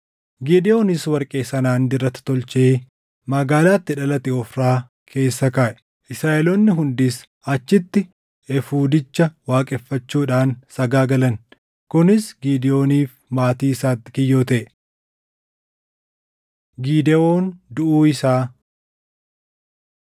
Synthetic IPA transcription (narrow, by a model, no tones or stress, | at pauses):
ɡiːd̪ɛoːnɪswɐɾkʼe̞ːsɐnaːnd̪ɪrːɐt̪ːɪ̥t̪ɔlt͡ʃeː | mɐɡaːlaːt̪ːɪᶑɐlɐt̪ɪɔfɾaː | kʰe̞ːsːɐkaːʔɛ̥ | ʔɪsɾaːʔɛlɔnːɪɦʊnd̪iːs | ɐt͡ʃːɪt̪ːɪ | ɛfuːd̪ɪt͡ʃːɐwaːkʼɛfːɐt͡ʃːuːᶑaːnsɐɡaːɡɐlɐn | kʊnɪsɡiːd̪ɛjo̞ːniːf | maːt̪iːɪsaːt̪ːɪ̥kɪjːo̞ːt̪ɐʔ | ɡiːd̪ɛoːnd̪ʊʔuːɪsaː